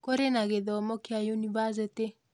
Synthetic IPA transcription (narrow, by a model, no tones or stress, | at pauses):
koɾenaɡeðɔmɔkɪajonibazete